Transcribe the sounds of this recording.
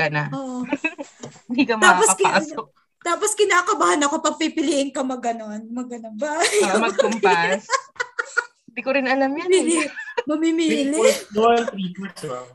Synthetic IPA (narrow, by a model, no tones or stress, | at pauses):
ɐnaʔoːʔ | hɪnd̪ikɐmt̪aːaposka | t̪aːposkɪnaːkɐbaːhaɐnɐkopɐɡ̚pipɪliːʔɪŋkɐmɐɡɐno̞nmɐɡɐnɐŋbajmɐɡ̚ʊmpa | ɪnd̪ikoɾɪnɐlamjmilmɐmimilɛd̪olt̪ɾiːko